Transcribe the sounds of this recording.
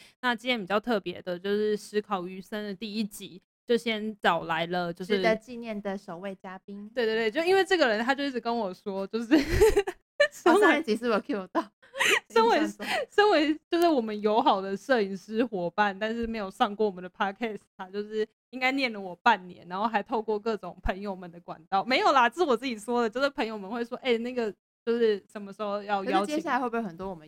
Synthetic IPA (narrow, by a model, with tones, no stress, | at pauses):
na˥˩t͡ɕi˥njɛ˧˥npi˨˩t͡ɕjɑ˥˧ʊt̪ʰɤ˥˩pjɛ̰˧˥d̪ə˨t͡ɕjo˥˧ʊʂɻ̩˥˩ʂɻ̩˧˥kʰɑ˨˩ʊy˧˥sə˥nd̪ə˨t̪i˥˧i˦˥t͡ɕi˧˥ | t͡ɕjo˥˩ʊɕjɛ˥nt͡sɑ˨˩ʊla˧˥ɪlə˧t͡ɕjo˥˧ʊʂ̩˥˩˧t͡ɕi˥˧njɛ˥˩nd̪ə˩ʂo˨˩ʊwe˥˩ɪt͡ɕja˥pi˥ŋt̪we˥˧ɪt̪wt̪we˥˧˥i˥nwe˥˧ɪʈ͡ʂɤ˥˩ɡə˩ɻə˧˦nt̪ʰa˥t͡ɕjo˥˧ʊi˥˩˨kə˦nwɔ˨˩swɔ˥t͡ɕjo˥˧ʊʂɻ̩˥˩ | ʂə˥n˥˧ə˥t͡ɕi˨˥sɹ̩˥˩wɔ˨˩kʰwɔ˨˩t̪ɑ˥˨˩ʊ | ə˥nwe˧˥ɪʂə˥nwe˧˥ɪt͡ɕjo˥˧ʊʂɻ̩˥˩wɔ˨˩mə˦njo˧˥ʊxɑ˨˩ʊd̪ə˦ʂɤ˥˧˩i˨˩ŋʂɻ̩˥xwɔ˧˥pa˥˩nt̪a˥˧nʂɻ̩˥˩me˧˥ɪjo˨˩ʊʂɑ˥˧ŋkwɔ˥˩wɔ˨˩mə˨˩ndə˩pʰa˥kʰɛ˥˩st̪t̪ʰa˥t͡ɕjo˥˧ʊʂɻ̩˥˩ | i˥ŋka˥ɪnjɛ˥˩nlə˩wɔ˨˩pa˥˩nnjɛ̰˧˦na˧˥nxo˥˩ʊxa˧˥ɪt̪ʰo˥˧ʊkwɔ˥˧k̬ɤ˥˩ʈ͡ʂʊ˨˩ŋpʰə˧˥ŋjo˨˩ʊmə˨˦nd̪ə˦kwa̰˨˩nt̪ɑ˥˩ʊme˧˥jo˨˩ʊla˨˩t͡sɹ̩˥˩wɔ˨˩t͡sɹ̩˥˩t͡ɕi˨˩ʂwɔ˥d̪ə˨t͡ɕjo˥˧ʊʂ̩˥˩pʰə˧˥ŋjo˨˧ʊmə˨nxwe˥˩ɪʂwɔ˥ʔe˥˩na˥˩ɡə˩ | t͡ɕjo˥˧ʊʂɻ̩˥˩ʂə˨˩nmə˦ʂɻ̩˧˥xo˥˧ʊjɑ˥˩ʊjɑ˥ʊt͡ɕt͡ɕjʰja˥˩a˧˥xwbə˨˩nt̪wɔ˥wɔ˨˩mə˦